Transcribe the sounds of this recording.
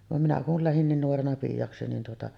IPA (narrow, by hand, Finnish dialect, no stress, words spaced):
ʋɑm minæ kul læhin niːn nuorenɑ piːjɑksi nin tuotɑʔ